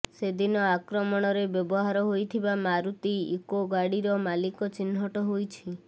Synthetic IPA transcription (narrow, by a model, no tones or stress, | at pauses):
sed̪inɔakɾɔmɔɽ̃ɔɾebjɔbɔɦaɾɔɦojt̪ʰibamaɾut̪iekoɡaɽiɾɔmalikɔt͡ʃinɦɔʈɔɦojt͡ʃʰi